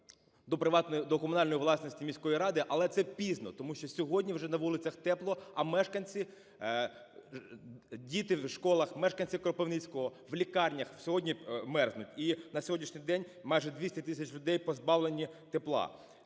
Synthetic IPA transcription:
d̪ɔpɾɪʋɑt̪nɔjd̪ɔkɔmʊnɑlʲnɔjiʋlˠɑsnɔsʲtʲimʲisʲkɔjiɾɑd̪ɪʔɐlˠɛt̪sɛpʲiznɔt̪ɔmuʃt͡ʃɔsʲɔɦɔdʲnʲiwʒɛnɐʋulˠɪt͡sʲɐxt̪ɛplˠɔɐmɛʃkɐnʲt͡sʲi | dʲit̪ɪwʃkɔlˠɐxmɛʃkɐnʲt͡sʲikɾɔpeʋnɪt͡sʲkɔɦɔʋlʲikɑrʲnʲɐxw̥sʲɔɦɔdʲnʲimɛrznʊtʲinɐsʲjɦɔdʲnʲiʃnʲɪjd̪ɛnʲ | mɑjʒɛd̪ʲʋʲisʲtʲɛt̪ɪsʲɐt͡ʃlʲʊd̪ɛjpɔzbɑwlˠenʲit̪eplˠɑ̰

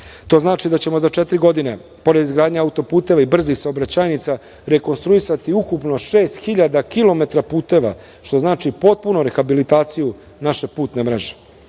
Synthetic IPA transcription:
t̪o̞ːznaːt͡ʃid̪at͡ɕe̞mo̞zat͡ʃet̪ɾiɡo̞d̪ine̞ | po̞ɾed̪izɡɾaːd̪ɲeaut̪o̞puːt̪e̞ʋaibr̩zixsaobɾat͡ɕaːjnit̪sa | ɾe̞ko̞nst̪ɾuisat̪iukupno̞ʃe̞ːst̪xiʎad̪akilo̞me̞t̪ɾapuːt̪e̞ʋa̰ | ʃt̪o̞znaːt͡ʃipo̞t̪̚punoɾe̞xabilit̪aːt̪siju | naʃe̞puːt̪ne̞mɾe̞ʒe̥

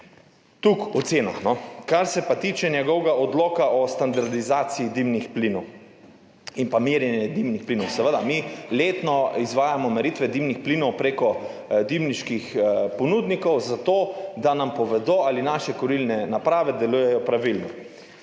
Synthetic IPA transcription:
t̪ukɔt̪seːnaxnɔkaɾsɛpat̪iːt͡ʃɛnjɛɡɔwɡaʔɔd̪lɔːkaʔɔst̪and̪aɾd̪izaːt̪siːd̪imnixplinɔw | inpamiɾjɛnjɛd̪imnixplinɔwsɛʋəd̪amileːt̪nɔizʋaːjamɔmɛɾit̪ʋɛd̪imnixpliːnɔwpɾeːkɔ | d̪imniʃkixpɔnuːd̪nikɔwzat̪oːd̪anampɔʋɛd̪oːalinaːʃɛkɔɾilnɛnapɾaːʋɛd̪ɛluːjɛjɔpɾaʋilnɔ

